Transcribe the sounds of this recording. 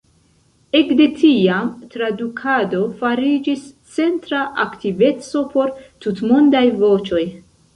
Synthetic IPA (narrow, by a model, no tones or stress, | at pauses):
e̞kde̞tʰiamtɾadukʰado̞faɾid͡ʒis | t͡se̞ntɾaʔaktive̞t͡so̞pʰo̞ɾtutmondajvo̞t͡ʃo̞j